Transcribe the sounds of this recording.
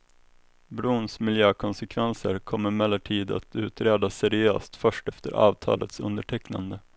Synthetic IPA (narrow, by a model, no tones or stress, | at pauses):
bɾuːnsmɪljøːkʰɔnsɛkʰvɛnsəɾkʰɔmːəɾmɛlːəʈʰiːd̪a̰t̪ʉ̟ːt̪ɾeːd̪asɛɾɪøːst̪fœʂʈɛft̪əɾɑ̰ːvt̪ʰɑ̰ːlʔə̰t̪sɵ̰nd̪əʈʰɛkna̰nd̪ə